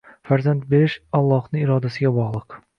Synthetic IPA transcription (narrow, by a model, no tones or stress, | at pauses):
faɾzant̪̚be̞ɾɪʃɒlˠːɒhnɪɪɾɒd̪asɪɡʲabɒʁlˠɨq